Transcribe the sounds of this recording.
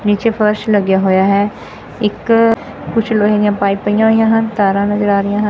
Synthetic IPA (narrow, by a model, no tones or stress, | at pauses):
niːt͡ʃeːpʰəɾʃləɡjaːɦoːjaːɦɛː | ɪk | kʊt͡ʃʰloːɦẽd̪ɪjãːpaːiːpəɪjãːɦoːɪjãːɦənt̪aːɾãːnəzəɾaːɾɪjãːɦən